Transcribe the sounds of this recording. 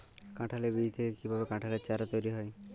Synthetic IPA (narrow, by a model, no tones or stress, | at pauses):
kãʈʰalebit̪ʰekekibʱabekãʈʰaleɾt͡ɕaɾɔt̪ojɾiɦɔj